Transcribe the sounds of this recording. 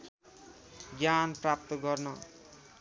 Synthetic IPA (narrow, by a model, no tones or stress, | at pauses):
ɡjanprap̚t̪ʌɡʌrnʌ